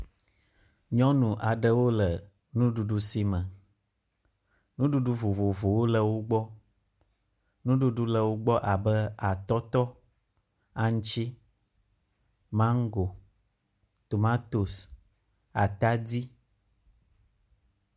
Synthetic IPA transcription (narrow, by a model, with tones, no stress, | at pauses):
ɲɔ̃˦nũ˨ʔa˨ɖə˦wo˦lə˨ | nũ˦ɖu˨ɖu˦si˦mə̃˨ | nũ˦ɖu˦ɖu˦vo˨vo˨vo˨wo˦lə˦wo˦ɡ͡bɔ˦ | nũ˦ɖu˦ɖu˦lə˨wo˦ɡ͡bɔ˦ʔa˨bə˦a˨t̪ɔ˦t̪ɔ˦ | a˨ɲ˦t͡ʃi˦ | mã˦ŋ˦ɡo˨ | t̪o˨mã˦t̪o˨s | a˨t̪a˦di˦